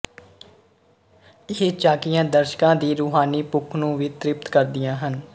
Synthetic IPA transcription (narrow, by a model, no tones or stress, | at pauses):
ɪɦet͡ʃaːkɪjãːd̪əɾʃkãːd̪iːɾuːɦaːniːpʊkʰnũːʋiːt̪ɾɪp̚t̪kəɾd̪ɪjãːɦən